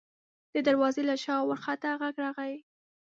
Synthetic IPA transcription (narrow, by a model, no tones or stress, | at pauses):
d̪̥əd̪aɾwɑzelaʃɑwaɾxat̪aɣaɡɾɑɣawi